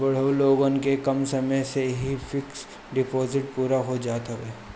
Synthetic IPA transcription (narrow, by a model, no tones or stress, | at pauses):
bɐɽ̤əloːɡonkekɐmsɐməjseɦifɪks | ɖɪpoːzɪʈpuːɾaɦod͡ʒaːt̪ɦɐʋeː